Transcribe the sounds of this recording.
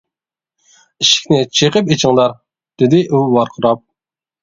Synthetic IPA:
iʃɪ̥kʲnɪt͡ʃʰeqɨpet͡ʃʰɪŋd̪ɑɾ | d̪̥ɪd̪ɪʔuwɑɾqʰʊɾɑp̚

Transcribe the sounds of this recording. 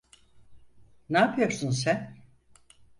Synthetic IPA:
naːpʰɯjo̞ɾsuns̬æn

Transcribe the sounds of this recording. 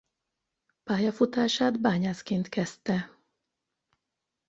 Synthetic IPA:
paːjɒfut̪aːʃaːd̪baːɲaːskeːnt̪kɛst̪ɛ

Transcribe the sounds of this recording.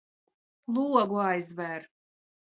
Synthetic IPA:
lˠuɔɡuajzvɛɾ

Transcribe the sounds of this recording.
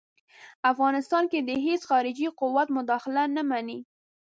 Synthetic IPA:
afɣɑnɪst̪ɑnked̪əɦesxɑɾɪd͡ʒiqʊwat̪mʊd̪ɑxɪlanamani

